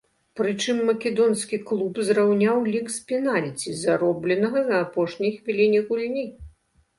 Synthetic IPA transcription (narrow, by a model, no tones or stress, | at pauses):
pɾɨt͡ʂɨmːɐkʲɛd̪ɔnskʲiklˠupzrawnʲawlʲikspʲinalʲt͡sʲizaɾɔblʲɛnɐɣɐzɐːpɔʂnʲɐjxvʲilʲinʲiɣulʲnʲi